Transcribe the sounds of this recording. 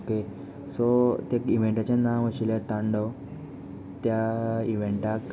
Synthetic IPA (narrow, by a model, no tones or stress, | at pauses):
oke | sɔt̪ekĩʋ̤ẽɳʈat͡ɕanaməɕilet̪ãɳɖɔ | t̪jaiʋẽɳʈak